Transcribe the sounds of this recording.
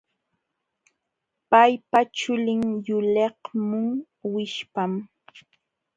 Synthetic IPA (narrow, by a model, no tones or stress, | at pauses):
pajpat͡ʃʊlɪŋjʊlehmʊŋ | wɪʃpam